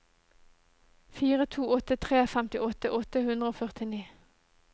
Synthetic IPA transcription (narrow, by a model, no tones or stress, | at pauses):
fiːʁət̪ʰuːɔt̪ət̪ʰʁeːfɛmt̪ɪʔɔt̪əʔɔt̪əhʉnd̪ʁəoːfœʁt̪ɪniː